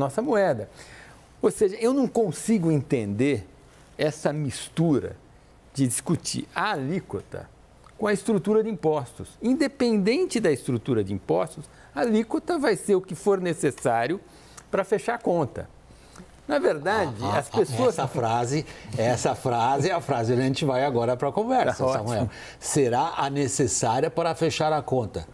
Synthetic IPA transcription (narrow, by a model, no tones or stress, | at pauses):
nɔsɐmuɛd̪ɐ | oseʒɐewnɐ̃w̃kõsiɡʊẽnt̪ẽnd̪eɾ | ɛsɐmist̪uɾɐ̰ | d͡ʒɪd͡ʒiskut͡ʃḭɾɐalikot̪ɐ̰ | kõɐɪst̪ɾut̪uɾɐd͡ʒɪĩpɔst̪ʊsĩnd̪epẽnd̪ẽnt͡ʃɪd̪ɐɪst̪ɾut̪uɾɐd͡ʒɪĩpɔst̪ʊs | ɐːlikot̪ɐvajseɾʊkɪfoɾnesesaɾjʊ | pɾɐfeʃaɾkõnt̪ɐ̰ | nɐveɾd̪ad͡ʒɪɐspesoɐsɐfɾazɪɛsɐfɾazɪɐfɾazɪʒʒɐʒẽnt͡ʃɪvajaɡɔɾɐpɾɐkõvɛɾsɐsɐmuɛl | seɾaʔɐnesesaɾiɐpaɾɐfeʃaɾɐkõnt̪ɐ